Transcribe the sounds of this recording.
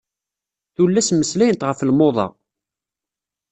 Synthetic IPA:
θulːæsməslæjənət̪ʁəflmoðˤɑ̰

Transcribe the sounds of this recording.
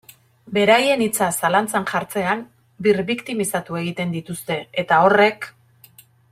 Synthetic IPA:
be̞ɾaje̞nit͡sasalant͡sanʝaɾt͡se̞an | biɾβikt̪imisat̪ue̞ɣ̞it̪e̞nd̪it̪ust̪e̞et̪ao̞re̞k

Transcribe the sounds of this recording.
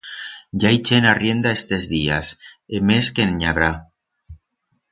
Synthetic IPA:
ʝait͡ʃenarje̞nd̪aest̪ezðia̰semeskenɲaβɾa

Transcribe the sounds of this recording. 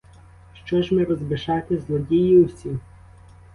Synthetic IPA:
ʃt͡ʃɔʒmɪɾɔzbɪʃɑt̪ɪzlˠɔdʲijiwsʲi

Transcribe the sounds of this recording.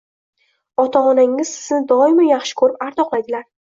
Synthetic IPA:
ɒt̪ʰaɒnaŋːɪz̥sɪ̥znɪd̪ɒɪmɪjaχʃɪ̥kʰɵɾɪpaɾt̪ʰɒqlˠajd̪ɪlaɾ

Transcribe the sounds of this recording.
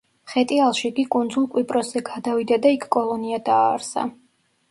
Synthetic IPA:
χɛt̪ʼialˠʃiɡikʼund̪zulˠkʼwipʼɾɔsz̥ɛɡad̪avid̪ad̪aikʰkʼɔlˠɔniad̪aːɾsa̰

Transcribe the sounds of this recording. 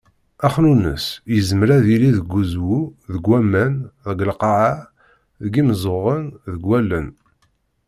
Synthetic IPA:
æχnunə̰sjəzməɾæðiliðəɡːuzwuðəɡwæmːænðɡəlqɑʕa | ðəɡimzˤoʁənðəɡwælːən

